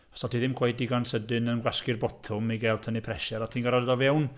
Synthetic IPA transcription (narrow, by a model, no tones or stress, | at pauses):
ɔsɔtʰiðɪmkʰwejdiɡansədɪnənɡwaskɪrbɔtʰʊmiɡɛlˠtʰənipʰrɛʃɛɾɔtʰiːnɡaɾadəðɔvɛwn